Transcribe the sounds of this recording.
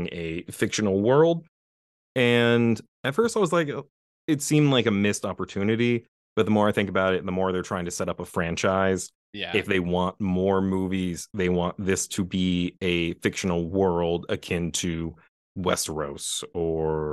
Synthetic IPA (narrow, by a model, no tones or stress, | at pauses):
ŋɨfɪkʃɨn̩l̩ˠwɜ˞lˠd̥̚ | ɨ̃n | ɨtfɜ˞staɪwʌzlaɪk | ɨtsĩmzlaɪkɨmɪstɑpə˞tʰʉnɨɾi | b̥ʌt̪̚ðəmɔɹaɪθɪ̃ŋkəbaʊɾɨt̪̚ðəmɔɹðə˞tʰɹ̥aɪɪ̃ŋtʰɨsɛɾʌpəfɹæ̃nt͡ʃaɪz̥ | jæɨfðeɪwɑ̃nmɔɹmuviz̥ðeɪwɑ̃nðɪstʰɨbiɨfɪkʃɨn̩l̩ˠwɜ˞lˠdɨ̰kʰɪ̃ntʰɨ | wɛ̰stɹoʊsə˞